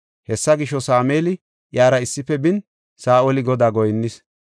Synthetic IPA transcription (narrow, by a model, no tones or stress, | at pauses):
hɛsːɐɡɪʃːɔsaːmeːlɪ | ʔjaːɾɐɪsːɪfːɛbɪn | saːʔolɪɡɔd̪aːɡɔjnːɪs